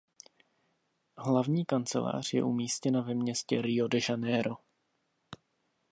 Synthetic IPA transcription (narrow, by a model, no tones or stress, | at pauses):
ɦlavɲiːkant͡sɛ̰la̰ːr̝̥jɛ̰ʔumiːscɛnavɛmɲɛscɛɾɪodɛʒanɛɾo̞